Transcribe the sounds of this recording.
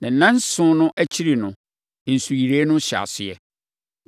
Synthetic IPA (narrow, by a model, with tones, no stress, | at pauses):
nã˨n̩˨nã˦n̩˦sʊ̃˦nʊ̃˦ʔæ˦t͡ɕʰi˦ɾi˨nʊ̃˨ | n̩˨su˨ji˨ɾe˦nʊ̃˦ɕa̰˨sɪ˦ɛ˦